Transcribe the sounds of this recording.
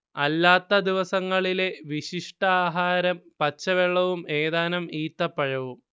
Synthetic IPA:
ɐlːaːt̪ːɐd̪iʋɐsɐŋːɐɭile̞ʋiɕiʂʈɐaːɦaːɾɐmpɐt͡ɕːɐʋeɭːɐʋumeːðaːnɐmiːt̪ːɐpːɐɻɐʋum

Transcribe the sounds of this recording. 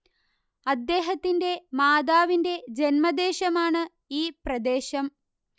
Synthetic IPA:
ɐd̪ːeːɦɐt̪ːinde̞maːd̪aːʋinde̞d͡ʑenmɐd̪eːɕɐmaːɳɨ | iːprɐd̪eːɕɐm

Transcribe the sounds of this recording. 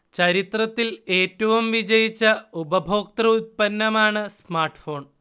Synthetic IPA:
t͡ɕɐɾit̪rɐt̪ːile̞ːtːɐʋumʋid͡ʑɐjit͡ɕːɐubɐbʱo̞ːk̚t̪rɐut̪̚pɐnːɐmaːɳɨsmaːrʈɨ̥fo̞ːɳ

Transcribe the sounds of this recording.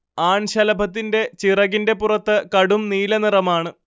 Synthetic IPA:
aːɳɕɐlɐbʱɐt̪̬ːinde̞t͡ɕirɐɣinde̞purɐt̪ːɨkɐɽumniːlɐnirɐmaːɳɨ

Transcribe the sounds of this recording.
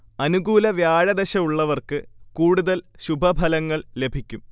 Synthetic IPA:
ɐnuɡuːlɐʋjaːɻɐd̪ɐɕɐuɭːɐʋɐrkɨkuːɽuðɐlɕubʱɐbʱɐlɐŋːɐɭle̞bʱikʲːum

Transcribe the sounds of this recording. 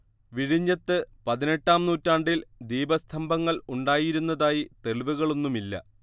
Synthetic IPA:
ʋiɻiɲːɐt̪ːɨpɐðine̞ʈːaːmnuːtːaːɳɖild̪iːbɐst̪ʰɐmbʱɐŋːɐɭuɳɖaːjiɾunːɐðaːjit̪e̞ɭʋuɣɐɭo̞nːumilːɐ̰

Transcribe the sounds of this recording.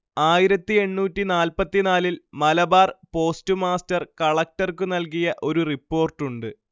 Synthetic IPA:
aːjiɾɐt̪ːie̞ɳːuːtːinaːlpɐt̪ːinaːlilmɐlɐbaːrpo̞ːstɨmaːstɐrkɐɭɐk̚tɐrkɨnɐlkijɐʔo̞ɾuripːo̞ːrʈːuɳɖɨ

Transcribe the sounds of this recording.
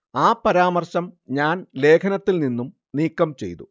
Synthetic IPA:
aːpɐɾaːmɐrɕɐmɲaːnle̞ːkʰɐnɐt̪ːilninːum | niːkːɐmt͡ɕe̞̰jt̪u

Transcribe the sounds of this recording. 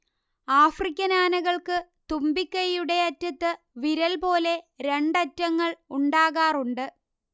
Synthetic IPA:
aːfrikʲːɐnaːnɐɣɐɭkɨt̪umbikʲːɐjːuɽe̞ɐtːɐt̪ːɨ | ʋiɾɐlpo̞ːle̞ɾe̞ɳɖɐtːɐŋːɐɭuɳɖaːɣaːruɳɖɨ

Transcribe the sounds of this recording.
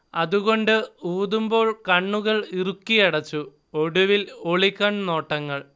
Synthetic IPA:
ɐðuɣo̞ɳɖɨuːðumbo̞ːɭkɐɳːuɣɐɭirukːijɐɽɐt͡ɕːu | oɽuʋiloɭikːɐɳno̞ːʈːɐŋːɐɭ

